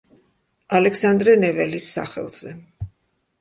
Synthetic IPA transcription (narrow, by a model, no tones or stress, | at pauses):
alɛksand̪ɾɛnɛvɛlisːa̰χɛ̰lˠz̥ɛ